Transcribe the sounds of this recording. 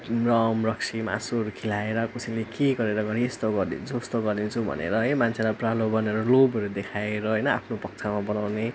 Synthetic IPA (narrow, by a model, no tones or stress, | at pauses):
rʌmrʌksima̰surkʰilaeɾʌkusilekeɡʌɾeɾʌɡʌɾiest̪oɡʌɾd̪ḭnd͡zʰust̪oɡʌɾd̪int͡sʰubʱʌ̰nḛɾʌɦimant͡sʰelapralobʌneɾolobɦʌɾud̪ekʰaeɾʌɦʌjnʌa̰pʰnopʌk̚t͡sʰamabʌnawne